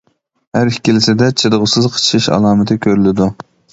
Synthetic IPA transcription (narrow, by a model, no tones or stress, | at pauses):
hæɾhi̥kʲʰilɪsɪd̪ɛt͡ʃʰɨɾəʁʊsɨzqʰə̥t͡ʃʰʃɨʃɑ̰lˠɑːmɨt̪ʰɨkʲʰøɾylɪd̪u